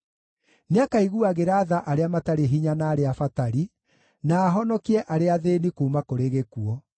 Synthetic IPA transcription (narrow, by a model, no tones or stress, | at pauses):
neakaiɣuaɣeɾaːðaʔaɾeamataɾeɦiɲanaːɾeafataɾi | naːɦɔnɔkiɛʔaɾeaðenikuːmakoɾeɣekuɔ